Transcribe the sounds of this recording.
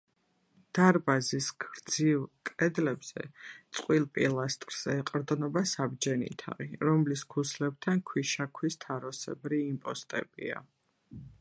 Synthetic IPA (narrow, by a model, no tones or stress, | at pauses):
d̪̥aɾbazisɡɾd̪zivkʼɾɛd̪lɛbz̥ɛ̰t̪sʼqʼwilˠpʼilˠast̪ʼɾz̥ɛːqʼɾd̪nɔbasabd͡ʒɛnḭt̪ʰa̰ʁḭɾɔmliskʰuslɛb̚t̪ʰankʰwiʃakʰwist̪ʰaɾɔsɛbɾiːmpʼɔst̪ʼɛ̰bḭa̰